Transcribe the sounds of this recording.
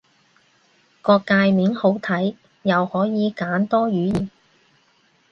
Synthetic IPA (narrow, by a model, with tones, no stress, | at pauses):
kɔː˧kːaː˧jmiː˨˥nho˨˥wt̪ʰɐ˨˥j | jɐ˨whɔː˨˥jiː˨˧kaː˨˥nt̪ɔː˥ɥyː˨˥jiː˨˩n